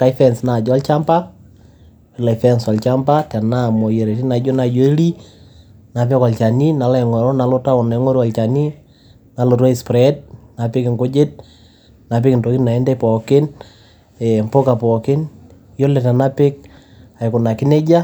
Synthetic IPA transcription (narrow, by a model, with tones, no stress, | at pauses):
ka˨i˦fɛnsna˨d͡ʒɔ˦lt͡ʃa˦mpa˦ | ɪ˨la˨fɛnsɔ˨lt͡ʃa˦mba˦tɛ˨na˦˨mɔ˨je˨ɾe˨tɪ˦na˨d͡ʒo˦na˨d͡ʒo˦i˦li˦ | na˨pɪ˦kɔ˨lt͡ʃa˨ni˦na˨la˦˨ŋɔ˨ɾɔ˦na˨lo˦ta˦ɔ˨na˨˦ŋɔ˦ɾo˦a˨lt͡ʃa˨ni˦ | na˨lo˨ta˦i˨spɾɛd̚na˨pɪ˦kɪ˨ŋɡo˦d͡ʒɪ˦t̚ | na˨p̬ɪ˦kɪ˨nto˨ki˦tna˨ɛ˦ndɛ˦pɔ˨kɪ˦n | ɛmpo˦ka˨pɔ˨kɪ˦n | jɔ˦lɛ˨tɛ˨na˦pɪ˦k̚ | a˨ɪ˨kʊ˨na˨kɪ˦ne˦d͡ʒa˦